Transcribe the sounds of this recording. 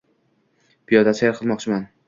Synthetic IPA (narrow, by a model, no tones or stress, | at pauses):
b̥ijɒd̪aseɾqʰɨlˠmɒqt͡ʃʰɪman